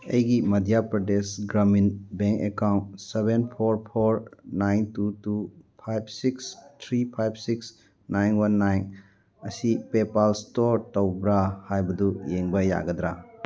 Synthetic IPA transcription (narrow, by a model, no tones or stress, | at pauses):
ɐ̰jɡimɐdijapɾɐdesɡɾaminbeŋkekawntsebenpʰoɾpʰoɾnajntutupʰajb̚sikstʰɾipʰajb̚siks | najnwanːajn | ɐsipepalstoɾtɐwbɾahajbɐdujeŋbɐja̰ɡɐdɾa